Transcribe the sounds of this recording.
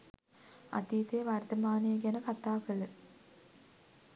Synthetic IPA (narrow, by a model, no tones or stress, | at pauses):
a̰t̪iːt̪eːʋart̪əmaːnəjeɡænəkat̪aːkəɭə